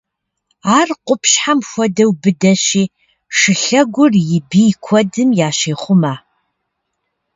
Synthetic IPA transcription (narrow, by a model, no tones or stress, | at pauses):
aːrqʷʼʊpɕħamxʷɔdɐwbɨdɐɕiː | ʂɨɬɐɡʷʊrjɪbiːkʷʰɔdɨmjaːʃeːχʷʊmaː